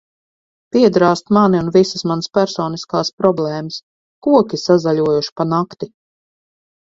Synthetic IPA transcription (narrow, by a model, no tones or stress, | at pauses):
piɛd̪ɾaːst̪maniunvisəsmanspæɾsɔːniskaːspɾɔblˠɛːməs | kuɔkʲisazaʎʲuɔjuʃi̥panakt̪i